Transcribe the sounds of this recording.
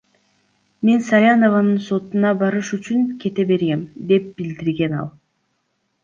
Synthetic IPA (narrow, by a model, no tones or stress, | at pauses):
me̞nsɑjʲano̞vɑnɯnso̞t̪unɑbɑɾɯʃyt͡ʃyŋkʰe̞t̪e̞be̞ɾɡe̞md̪e̞p̚bild̪iɾɡe̞nɑ̰lˠ